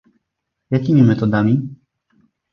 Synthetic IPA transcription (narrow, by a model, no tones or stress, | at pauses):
jakʲimʲimɛt̪ɔd̪amʲi